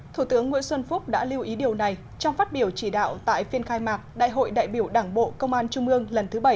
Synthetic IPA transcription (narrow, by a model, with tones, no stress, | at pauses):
t̪ʰu˧˩t̪ɨ˨˦əŋːwḭ˧˥ənswə˧nfʊ˦˥k͡p̚ɗa̰ː˧˥li˧wʔi˨˦ɗi˨˩əwna˨˩j | t͡ɕɔ˧wŋ͡mfaː˦˥t̚ɓi˧˩əwt͡ɕi˧˩ɗa̰ː˧˨wt̪a̰ː˧˨jfi˧ənxaː˧jmaː˨˩k̚ɗa̰ː˧˨jɦo̰˧˨jɗa̰ː˧˨jɓi˧˩əwɗaː˧˩ŋɓo̰˧˨kə˧wŋ͡mʔaː˧nt͡ɕʊ˧ŋ͡mʔɨ˧əŋlə˨˩nt̪ʰɨ˨˦ɓə˧˩j